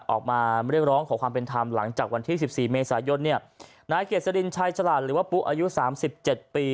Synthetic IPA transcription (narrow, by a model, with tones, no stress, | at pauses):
ʔɔ̰ː˨˩k̚maː˧ɾi˥˩ək̚ɾɔː˦˥ŋkʰɔː˩˦kʰwaː˧mpe˧nt̪ʰaː˧mla̰˩˦ŋt͡ɕaː˨˩k̚wa˧nt̪ʰiː˥˩si˨˩p̚siː˨˩meː˧saː˩˦jo˧nːi˥˩ɐ | naː˨˧˩jkʰi˨˩t̪̚sa˧di˧nt͡ɕʰaː˧jt͡ɕʰa˧laː˨˩t̪̚ɾɯː˩˦waː˥˩pu˦˥ʔaː˧ju˦˥saː˩˦msi˨˩p̚t͡ɕe˨˩t̪̚piː˧